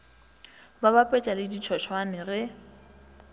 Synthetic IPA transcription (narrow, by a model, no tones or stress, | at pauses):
babapʼɛt͡ʃʼalɪdit͡ʃʰɔʃʰwanɪrɛ